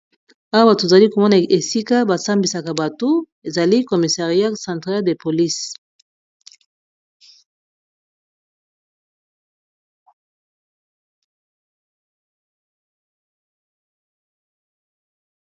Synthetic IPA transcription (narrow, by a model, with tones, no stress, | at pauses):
a˦wa˦ba˨to˨za˨li˦ko˨mɔ˦na˨e˨si˦ka˦ba˨sa˦mbi˨sa˨ka˨ba˨to˦ | e˨za˨li˦ko˨mi˨sa˨ʁi˦a˦sɑ̃˨ntʁa˦lde˨po˨li˦s